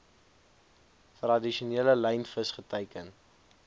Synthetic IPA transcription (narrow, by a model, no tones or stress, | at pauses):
trɐdiʃuniːləlɛjnfəsχətəjkən